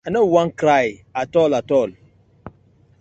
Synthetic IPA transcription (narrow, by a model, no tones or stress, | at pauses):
anəwaŋkɾajatɔlatɔl